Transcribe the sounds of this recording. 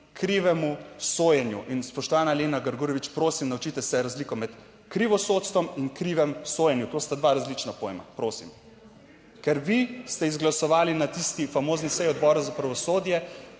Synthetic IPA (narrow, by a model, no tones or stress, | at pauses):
kɾiʋɛmusoːjɛnjṵʔinspɔʃt̪ɔʋaːnaleːnaɡaɾɡuːɾɔʋit͡ʃpɾoːsimnaut͡ʃit̪ɛsɛɾazlikɔmɛt̪ | kɾiʋɔsoːt̪st̪ʋɔminkɾiːʋɛmsoːjɛnjut̪oːst̪ad̪ʋaɾazlit͡ʃnapojḛma̰pɾoːsḭm | kɛɾʋist̪ɛizɡlasɔʋaːlinat̪ist̪ifamoːznisɛjɔd̪bɔɾazapɾaʋɔsoːd̪jɛ